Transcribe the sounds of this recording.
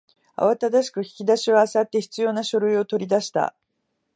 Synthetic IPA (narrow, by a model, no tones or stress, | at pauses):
a̰βat̪ad̪aɕi̥kɯ̟çi̥kʲid̪aɕioasat̪ːe̞çi̥t͡sɨjo̞ːnaɕo̞ɾɯ̟io̞t̪o̞ɾʲid̪aɕi̥t̪a̰